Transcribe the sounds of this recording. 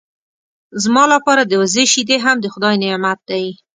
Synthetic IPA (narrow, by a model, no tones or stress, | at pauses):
zmɑlapɑɾad̪əwzeʃid̪eɦamd̪əxʊd̪ɑjnemat̪̚d̪aj